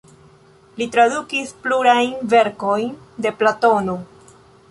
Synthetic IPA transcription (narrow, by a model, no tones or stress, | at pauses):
litɾadukispluɾajnve̞ɾko̞jn | de̞plato̞no̞